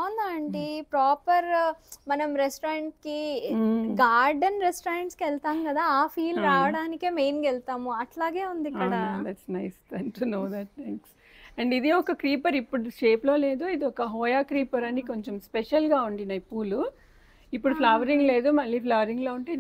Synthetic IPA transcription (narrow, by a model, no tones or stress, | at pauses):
und̪aːɐɳɖipɾaːpɐɾmɐnɐmɾesʈːɾeɳʈki | ɡaːɾɖɐnɾesʈoːɾɐɳʈskɛlt̪aːmkɐd̪aːaːpʰiːlɾaːʋɐɽaːnikeːmejnkɛlt̪aːmuɐʈlaːɡeːund̪ikːɐɽɐd̪æʈsnɐjst̪ɛnʈunoːd̪ɐʈ̚t̪ʰɛːŋks | ɛɳɖid̪iɔkɐkɾiːpɐɾipːuɽuʃeːplo̞ːle̞ːd̪uid̪iɔkɐɦɔːjaːkɾiːpɐɾɐnikoɲt͡ʃemspeʃɐlɡaːuɳɖinɐipːuːlu | ipːuɽupʰlɐʋɐɾiŋɡle̞ːd̪umɐlːiːpʰlɐʋɐɾiŋɡloːuɳʈeː